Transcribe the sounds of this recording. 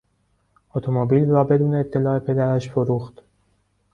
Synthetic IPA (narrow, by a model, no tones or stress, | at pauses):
ot̪ʰomobiːlrɒːbe̞d̪uːneːp̚t̪ʰːe̞lɒːe̞pʰe̞d̪æɾæʃfoɾuːxt̪